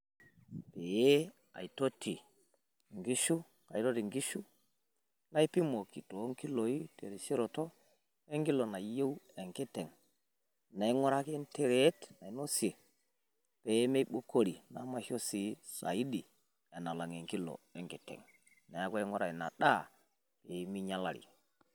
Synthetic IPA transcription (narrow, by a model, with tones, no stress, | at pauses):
pe˨je˦ | a̰˨i˨to˦ti˨ | ŋɡi˦ʃu˦ | ka˨i˦to˦ti˨ŋɡi˦ʃu˦ | na˦i˦pi˦mo˨ki˨to˨˦ŋki˦lo˨ji˦tḛ˨ɾi˨si˦ɾo˨to˦ | e˦ŋki˦lo˨na˨je˦we˨ŋke˦te˨ŋ | na˨i˦ŋo˦ɾa˦ke˦nte˨ɾe˨˦tna˨i˨˦no˦si˨e˨ | pe˨˦me˦i˦ɓo˦ko˦ɾi˨na˨˦ma˦ho˦si˦sa̰˨i˦di˨ | e˨na˨la˨ŋe˨ŋki˦lo̰˨e˦ŋke˨tḛ˨ŋ | na˨ja˦ka˦i˦ŋo˦ɾa˨i˨na̰˨ɗa˦ | pe˨jmi˦ɲa˦la˨ɾḭ˨